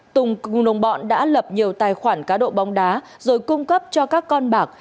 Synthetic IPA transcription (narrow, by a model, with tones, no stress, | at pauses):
t̪ʊ˨˩ŋ͡mŋ͡mno˨˩wŋ͡mɓɔ̰˧˨nɗa̰ː˧˥lə˨˩p̚ɲi˨˩əwt̪aː˨˩jxwaː˧˩nkaː˨˦ɗo̰˧˨ɓa˨˦wŋ͡mɗaː˨˦ | zo˨˩jkʊ˧ŋ͡mkə˦˥p̚t͡ɕɔ˧kaː˦˥kːɔ˧nɓaː˨˩k̚